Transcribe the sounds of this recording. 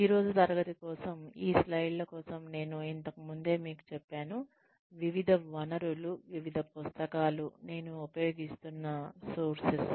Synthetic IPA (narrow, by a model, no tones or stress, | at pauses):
iːɾo̞ːd͡ʒut̪ɐɾɐɡɐt̪ikɔːsɐmiːslɐjɖlɐkɔːsɐmne̞ːnuint̪ɐkɐmund̪e̞ːmiːku̥t͡ʃɛpːaːnu | ʋiʋid̪ʱɐʋɐnɐɾuluʋiʋid̪ʱɐpust̪ɐkaːlune̞ːnuupɐjo̞ːɡist̪unːɐsoːɾsis